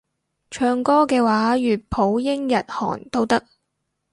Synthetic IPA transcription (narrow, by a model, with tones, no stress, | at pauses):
t͡ʃʰœː˧ŋkɔː˥kɛː˧waː˨˥jyː˨t̚pʰo˨˥wjɪ˥ŋjɐ˨t̚hɔ̰ː˨˩nt̪o˥wt̪ɐ˥k̚